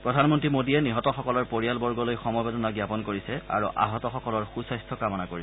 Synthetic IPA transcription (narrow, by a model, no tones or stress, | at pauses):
pɹɔdʱanmɔntɹimodiɛniɦɔtɔxɔkɔlɔɹpoɹijalbɔɹɡɔlojxɔmɔbedɔnaɡjapɔnkoɹisɛa̰ɹuʔa̰ɦɔtɔxɔkɔlɔɹxusajstʰɔkamɔnakoɹi